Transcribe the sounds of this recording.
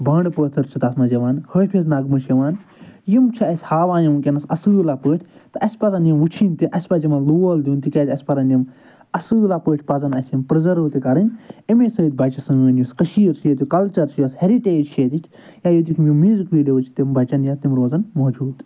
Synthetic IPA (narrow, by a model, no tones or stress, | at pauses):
bɐɳɖpəːt̪ʰɨɾt͡ʃʰit̪ɐsmɐd͡ʒɐʋaːnhəːpʰiznɐɡmɨʃjɐʋaːnjimt͡ʃʰɐɐsʲhaːʋaːjɐmkʲenɐsɐsɨːlaːpəːʈʰʲt̪ɨɐsʲpɐzɐnjimʋut͡ʃʰint̪iʔɐsʲpɐd͡ʒimɐnluːɐld̪ʲunt̪ikʲet̪ʲɐsʲpɐɾɐnim | ɐsɨːlaːpəːʈʰʲpɐzɐnɐsʲjimpɾizɐɾʋt̪ikɐɾɨnʲemeːsɐit̪̚bɐt͡ʃɐsɨːəːnjuskəʃiːɾʃeːt̪̬jukɐlt͡ʃɐɾʃjɐsheɾiʈeːd͡ʒʃet̪itʰ | jaːjot̪̬ikʰʲmjumizkʋiːleʋut͡ʃʰi̥t̪imbɐt͡ʃɐnjat̪imɾoːzɐnmoːd͡ʒuːd̪